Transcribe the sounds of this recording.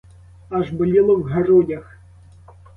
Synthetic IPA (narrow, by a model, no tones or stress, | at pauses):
ɐʒbʊlʲilˠɔwɦɐɾɔdʲɐx